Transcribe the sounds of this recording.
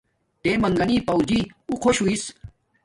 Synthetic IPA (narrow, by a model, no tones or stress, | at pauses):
t̪emɐŋɡɐniːpɐwd͡ʑiuqʰoɕuis